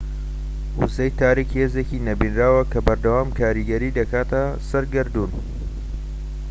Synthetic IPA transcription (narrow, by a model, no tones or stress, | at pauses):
uzɐjt̪aːɾikheːzeːcinɐbinraːwɐkʰɐbɐɾd̪ɐwaːmkʰaːɾiɡɐɾiːd̪ɐkaːt̪ʰɐsɐɾɡɨɾd̪uːn